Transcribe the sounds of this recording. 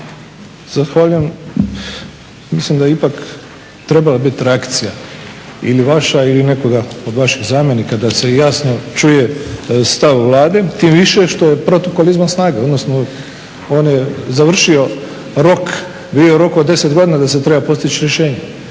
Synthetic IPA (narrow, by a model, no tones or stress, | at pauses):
z̥axʋaːʎujem | mislimd̪ajeipak | t̪ɾe̞balabit̪ɾeakt̪sija | ḭliʋaʃailineko̞ɡaod̪ʋaʃiɣzaːmje̞nikad̪ase̞jasno̞t͡ʃuje̞st̪aʋːlˠaːd̪et̪imʋiʃeʃt̪o̞je̞pɾo̞t̪okolizmasnaːɡao̞d̪no̞sno | oːnjezaʋr̩ʃio̞ | ɾo̞k | bid̪ioɾo̞kod̪d̪ːe̞set̪ɡo̞d̪inad̪aset̪ɾebapo̞st̪it͡ɕiɾjeʃe̞ːɲe